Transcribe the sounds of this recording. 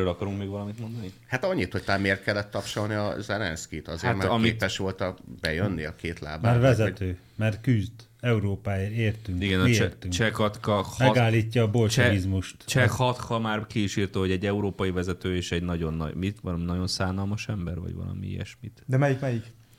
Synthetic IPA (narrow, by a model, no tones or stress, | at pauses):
øːlɒkɒɾuŋkmeːɡʋɒlɒmit̪mo̞nd̪ɒnihat̪ɒɲːit̪hoc̚t̪ɔlameːrt̪̚kɛlːɛt̪ːɒpʃolniɒ̰zɛlɛ̰nskit̪ɒzeːat̪mɛɒkmiːtpɛʃʋo̞lt̪ɒbɛjønːiɒkeːt̪la̰ːbaaːrvɛzɛt̪øː | mɛrt̪kyzd̪ | ɛuɾoːpaːeːɾeːrt̪yŋiɡɛnɒɛrt̪yŋkt͡ʃɛkɒt̪kɒhmɛɡaːlːiːcːɒːbolt͡ʃɛizmuʃt̪t͡ʃɛkhɒt̪hɒmaːrkiːʃiːrt̪ohoɛɟːɛuɾoːpɒjivɛzɛt̪øːeːʃɛɟnɒɟo̞nːɒ̰ɟmit̪ʋɒlɒminɒɟo̞nsaːnɒlmɒʃɛmbɛrvɒ̰ɟʋɒ̰lɒ̰mḭḭɛ̰ʃmit̪d̪ɛmɛjikmɛjik